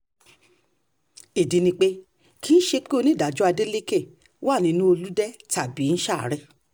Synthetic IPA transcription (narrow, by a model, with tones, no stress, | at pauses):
i˨di˧nĩ˧k͡pe˦ | kʰiː˦ʃe˧k͡pi˦o˧nĩ˦˨da˨d͡ʒu˦a˧de˦le˦ke˦˨ | wa˦˨nĩ˧nũ˦o˧lu˦dɛ˦ta˨bi˨˦n̩˦ʃa̰˦˨ɾɛ˧˨